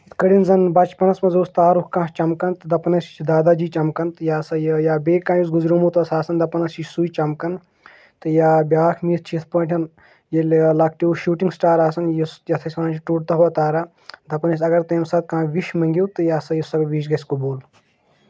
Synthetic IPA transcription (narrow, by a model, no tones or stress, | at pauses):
it̪ʰkɐɽinzɐnbɐt͡ʃpɐnɐsmɐzoːst̪aːɾukkãːt͡ʃɐmkɐnt̪ɨd̪ɐpɐnɐsit͡ʃʰid̪aːd̪aːd͡ʒiːt͡ʃɐmkɐnt̪ɨjaːsɐjjaːbeːkãːjus̬ɡuzɾumut̪ɐsaːsɐnd̪ɐpɐnɐsit͡ʃʰsuit͡ʃɐmkɐn | t̪ɨjaːbʲaːkʰmiːt̪̚ʰt͡ʃʰit̪ʰpɐːʈʲʰɐn | jɐllak̚ʰʈiuʃuːʈiŋɡsʈaːɾaːsɐnjisjɐt̪ʰɐsʲkɐnɐt͡ʃʰʈuʈ̚t̪ɐɦɐt̪aːɾa | d̪ɐpɐnɐs̬ʲɐɡɐɾt̪eːmsɐt̪̚kãːʋiʃmɐŋɡʲiwt̪ɨjaːsɐjisɐɡʋiːʃɡɐskuboːl